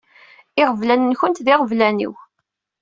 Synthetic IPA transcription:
ɪʁəvlænənçənt̪ðɪʁəvlænḭw

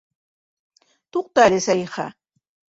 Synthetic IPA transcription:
t̪oqt̪aɾɪsajɢɑ̰

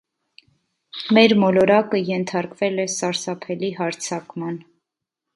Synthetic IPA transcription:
mɛɾmɔlɔɾɑkəjɛnt̪ʰɑɾkvɛlɛsɑɾsɑpʰɛlihɑɾt͡sʰɑkmɑn

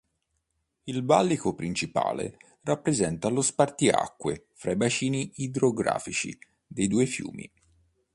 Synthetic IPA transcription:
ilbalːikopɾint͡ʃipa̰ːlḛ | rapːɾezɛnt̪alospart̪ia̰kːwe | fɾaibat͡ʃiːniːd̪ɾoɡɾa̰ːfit͡ʃḭ | d̪ejd̪uːefjṵːmḭ

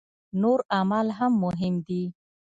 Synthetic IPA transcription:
noɾamalɦamːʊɦɪmd̪i

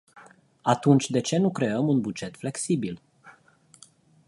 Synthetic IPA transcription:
at̪unt͡ʃʲd̪e̞t͡ʃe̞nukɾe̞əmunbud͡ʒe̞t̪fle̞ksibil

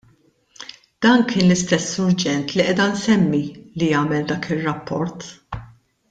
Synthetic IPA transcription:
d̪̥ɐːnkɪːnlɪst̪ɛsːʊɾd͡ʒɛnt̪liʔɛːd̪ɐnsɛmːilijɐːmɛld̪ɐːkɪrːɐpːɔɾt̪

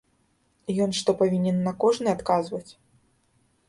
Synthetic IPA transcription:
ijɔnʂt̪ɔpavʲinʲɛnːɐkɔʐnɨat̪kazvɐt͡sʲ

